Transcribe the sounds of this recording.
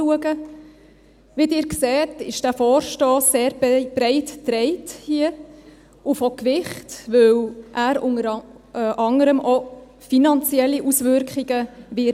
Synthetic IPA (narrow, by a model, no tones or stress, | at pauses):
uəɡə | ʋidɪːɾksɛːtɪ̰ʃd̥æfɔːɾʃtɔːsːeːɾb̥ɾɛɪttɾɛɪthiə | ʔufɔkʋɪχtʋɵwʔæːɾʊ̰ŋəɾ | ʔɑŋəɾəmʔɔ | finɑnt͡siɛlːiʔusʋʏɾkχiɡəʋɪ